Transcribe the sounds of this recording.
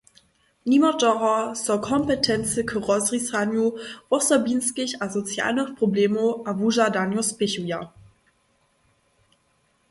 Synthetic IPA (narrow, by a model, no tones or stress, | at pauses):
nimɔdɔʁɔsɔkʰɔmpɛtʰɛnt͡səkʰəʁɔzʁisanjuvɔsɐbiːnskɪçazɔt͡sja̰ːlnəχpʁ̥obleːmoʔavuʒadanjospɪçuja